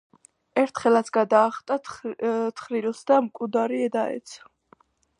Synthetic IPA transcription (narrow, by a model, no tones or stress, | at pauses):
ɛɾt̪ʰχɛlat̪sʰɡad̪aːχt̪ʼa | t̪ʰχɾiɾˠsd̪amkʼud̪aɾiɛd̪aɛ̰t̪sʰ